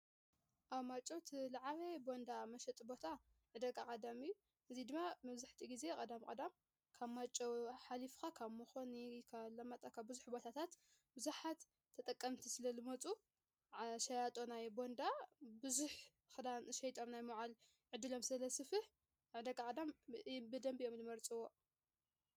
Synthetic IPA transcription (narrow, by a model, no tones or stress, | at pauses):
ʔaβmat͡ʃʼot̪ʰlaʕaβebo̞nd̪amɐʃɛt̪ʼbo̞t̪ʰa | ʕɨd̪ɐkʼakʼɐd̪amɨjːu | ʔɨzid̪ɨmːamɐβzɨħt̪ʰiɡize̞kʼɐd̪amkʼɐd̪am | kʰaβmat͡ʃʼoħalifkakʰaβmɨxo̞nikʰalɐmɐt̪ʼɐkʰabɨzuħbo̞t̪ʰat̪ʰat̪ | bɨzuħat̪ʰː | ɐt̪ʼɐkʼːɐmt̪ʰisɨlɐlɨmɐt͡sʼu | ʃɐjat̪ʼonajbo̞nd̪abɨzuħ | kʼɐd̪amʃɐjt̪ʼo̞mnajmoʕal | ʕɨd̪ɨlo̞msɐlɐsɨfɨħ | ʕɨd̪ɐkʼːakʼɐd̪ambɨd̪ɐmbio̞mlɨmɐɾt͡sʼɨwo̞